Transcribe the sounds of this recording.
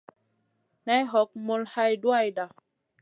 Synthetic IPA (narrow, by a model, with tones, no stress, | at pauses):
na˦jɦɔ˨˦k̚mo˦lha˦jdwa˦˨jda˨